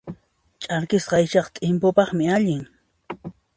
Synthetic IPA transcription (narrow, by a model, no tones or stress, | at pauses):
t͡ʃʼaɾkɪsqɑjʃɑχt̪ʼɪmpʊpɑχmɪaʎɪŋ